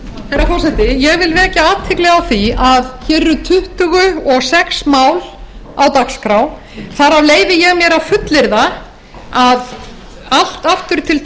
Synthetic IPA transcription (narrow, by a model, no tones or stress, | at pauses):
θejɾafɔrsɛht̪ɪjɛɣvɪlvɛɛhcaaːt̪ʰːɪklɛɣawθiaðçɛɾːʏt̪ʰʏht̪ʏɣʏɔɣsɛksmaːwlawt̪akskɾaw | θaɾavleːjvɪjɛɣmjɛɾafʏt̪lɪɾða | að | al̥t̪aft̪ʏɾ̥t̪ʰɪl